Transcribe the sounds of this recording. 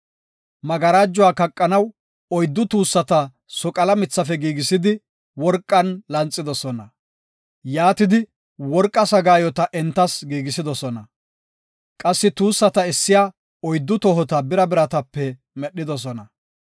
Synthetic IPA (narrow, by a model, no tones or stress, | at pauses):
mɐɡɐɾaːd͡ʒːʊaːkɐkʼːɐnɐw | ɔjd̪ːʊt̪uːsːɐt̪ɐ | sɔkʼɐlɐmɪt͡sːɐfɛɡiːɡɪsɪd̪ɪ | wɔɾkʼːɐnlɐnt͡sʼːɪd̪ɔsɔnɐ | jaːt̪ɪd̪ɪ | wɔɾkʼːɐsɐɡaːjɔt̪ɐʔɛnt̪ːɐsɡiːɡɪsɪd̪ɔsɔnɐ | kʼɐsːɪt̪uːsːɐt̪ɐɪsːɪjaː | ɔjd̪ːʊt̪ɔɦɔt̪ɐbɪɾɐbɪɾɐt̪ɐpːɛ | mɛɗːɪd̪ɔs̬ɔnɐ